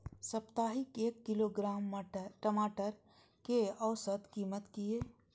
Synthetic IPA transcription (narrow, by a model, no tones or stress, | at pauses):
səpt̪aːɦɪkeːkːɪloɡɾaːməʈəmaːʈəɾ | keəʋsət̪kiːmət̪kieː